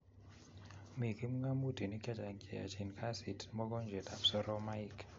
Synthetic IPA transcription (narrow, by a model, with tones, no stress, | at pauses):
mi˨kʰi˦m˦ŋa˦mu˦d̥ʱi˨ni˦kʰʼɛ˦tʼa˨ŋkʼɛ˨a̰˨t͡ʃʰi˨n˨kʰa˦si˨tʰmɔ˦k̬ɔ˦nd͡ʒʱɛ˨da˨psɔ˦ɾɔ˦ma˦jkʰ